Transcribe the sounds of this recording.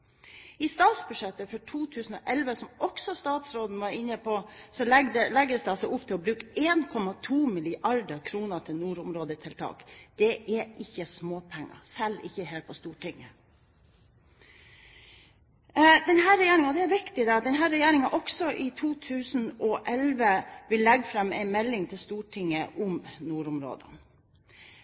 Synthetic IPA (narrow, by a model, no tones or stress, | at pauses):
ɪst̪ɑːt̪sbʉd̪ʂɛt̪ːəfɔʈʰuːt̪ʰʉːsn̩ɔʔɛlʋəsɔmɔksɔst̪ɑːt̪sɾoːd̪n̩ʋɑɾɪnːəpʰɔsɔlɛɡd̪əlɛɡd̪əsd̪ɛɑlsɛɪʊpːt̪ʰɪlɔbɾʉːkeːnkʰɔmɑt̪ʰuːmɪlɪʔɑɾd̪əkʰɾuːnət̪ʰɪlnuːɾʊmɾoːd̪ət̪ʰɪlt̪ʰɑ̰ːkd̪̥ɛʔæʔɪçːəsmoːpʰɛŋːɑ̰sɛlːɪ̰çːəɦeːlpʰɔst̪uːʈʰɪŋə | d̪ɛnɦæːɾɛjeːɾɪŋɔd̪ɛæɾʋɪkt̪ɪd̪ɛd̪ɛnɦæːɾɛjeːɾɪŋɑʔɔksɔʔɪt̪ʰuːt̪ʰʉːsn̩ɔʔɛlʋəʋɪlːɛɡfɾɑmːæ̰ɪnmɛlːɪŋt̪ʰɪlst̪uːʈʰɪŋːəʔʊmnuːɾʊmɾo̰ːd̪ə̰n